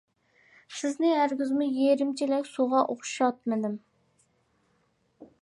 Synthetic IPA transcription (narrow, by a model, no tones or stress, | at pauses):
sɪznɪɦæɾɡʲɪzmʊjeɾɪmt͡ʃʰilɛkʲsuʁɑʔoqʊ̥ʃɑt̪̚mɪd̪ɪm